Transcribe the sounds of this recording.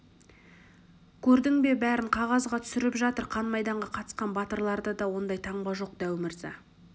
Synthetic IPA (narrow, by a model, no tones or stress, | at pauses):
kʲʰɵɾd̪ɪŋbe̞bæɾɪɴqʰɑʁɑzʁɑt̪ʰʏ̥sɪɾɪpʒɑt̪əɾqʰɑnmɑjd̪ɑɴʁɑqʰɑt̪ə̥sqɑnbɑt̪əɾlˠɑɾd̪əd̪ɑwo̞nd̪ɑjt̪ʰɑɴbɑʒo̞q̚d̪̥æwɪmɪɾzɑ̰